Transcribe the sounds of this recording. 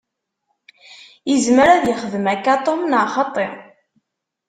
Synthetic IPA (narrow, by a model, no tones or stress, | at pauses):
jəzməɾæðjəχəðəmækːat̪ˤomnəʕχɑt̪ˤːe